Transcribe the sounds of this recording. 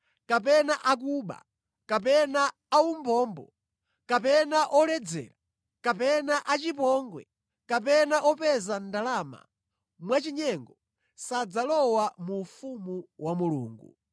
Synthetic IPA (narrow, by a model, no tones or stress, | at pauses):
kapɛnaʔak̬uːɓa̰ | kapɛnaː | umbɔːmbɔ | kapɛnaʔɔlɛd͡zɛ̰ːla | kapɛnaʔat͡ʃipɔŋɡwɛ̰ | kap̬ɛnaʔɔpɛzandalaːma̰ | mwat͡ʃiɲɛŋɡɔ | sad͡zalɔwamuːfumuwamulṵːŋɡṵ